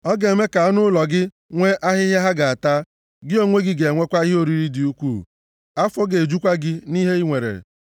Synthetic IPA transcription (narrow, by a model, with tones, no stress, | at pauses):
ɔ˦ɡe˨me˦ka˨a˦nʊ˦lɔ˨ɡɪ˦ | ŋʷe˦ʔa˦ɦɪ˦ɦe˦ɦa˦ɡa˨a˨ta˦ | ɡɪ˦o˦ŋʷe˦ɡɪ˦ɡe˨ŋʷe˦kʷa˦i˦ɦo˦ɾi˦ɾi˦di˨u˦kʷṵː˦˨ | a˦fɔ˦ɡe˨d͡ʒu˦kʷa˦ɡɪ˦ni˦ɦe˦i˦ŋʷe˨ɾḛ˨